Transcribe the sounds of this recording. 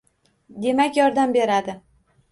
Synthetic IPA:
d̪e̞makʲjɒɾd̪ambe̞ɾad̪ɪ

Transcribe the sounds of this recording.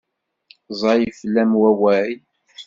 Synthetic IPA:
zˤɑjəflːæmwæwæi

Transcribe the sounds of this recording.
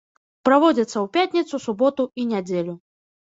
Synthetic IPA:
pɾavɔd͡zʲɐt̪sːɐwpʲat̪ʲnʲit̪susubɔt̪uinʲad͡zʲelʲu

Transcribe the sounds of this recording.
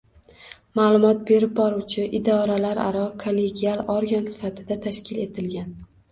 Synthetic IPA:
malˠʊmɒt̪̚be̞ɾɪp̚bɒɾuwt͡ʃʰɪʔɪd̪ɒɾalaɾa̰ɾɒkʰolːe̞ɡʲialˠoɾɡansɪ̥fat̪ʰɪd̪at̪ʰaʃkʲʰɪle̞t̪ʰɪlɡʲan

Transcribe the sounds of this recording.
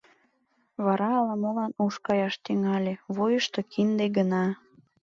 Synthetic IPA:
βɑɾɑːlɑmolɑnuʃkɑjɑʃt̪yŋɑlʲeβojəʃt̪okʰind̪eɡənɑ

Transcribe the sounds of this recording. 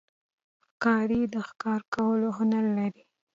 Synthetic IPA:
xkɑɾid̪əxkɑɾkawəloɦʊnaɾlaɾi

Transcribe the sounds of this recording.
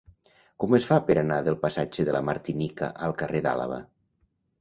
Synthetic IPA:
kɔməsfapəɾanaðəlˠpasad͡ʒəðələmaɾt̪inikə̰ʔəlˠkəreða̰lə̰βə̰

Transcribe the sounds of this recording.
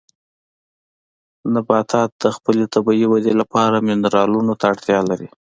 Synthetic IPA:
nabɑt̪ʰɑt̪̚d̪̥əxpəlet̪abɑiwad̪elapɑɾamɪnɾɑlunot̪aːɽt̪jɑlaɾi

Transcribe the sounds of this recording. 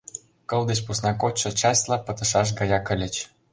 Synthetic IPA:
kɤ̆lˠd̪et͡ɕpusnɑkot͡ɕʃɤ̆t͡ɕɑsʲlˠɑpɤ̆t̪ɤ̆ʃɑʃ̬ɡɑjɑkə̆lʲɘ̆t͡ɕ

